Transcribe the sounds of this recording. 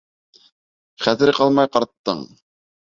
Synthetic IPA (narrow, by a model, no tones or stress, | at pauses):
χæðɘɾqɑlˠmɑjqɑɾt̪ːɤ̰ɴ